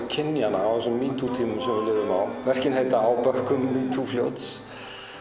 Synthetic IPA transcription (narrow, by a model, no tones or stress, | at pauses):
cʰɪnjanaawsɛmːiːt̪ut̪ʰiːmʏsɛmvɪɾlɪːðʏma̰wvɛr̥cɪnɦejt̪aawpœhkʏmːiːt̪ʰufljowt̪s